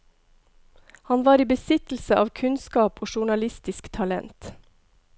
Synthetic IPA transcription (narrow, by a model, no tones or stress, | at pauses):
hɑnʋɑːɾiːbəsɪt̪l̩səʔɑːʋkʰʉnskɑːpʰoːʃʊɳɑlɪst̪ɪskt̪ʰɑlɛ̰nt̪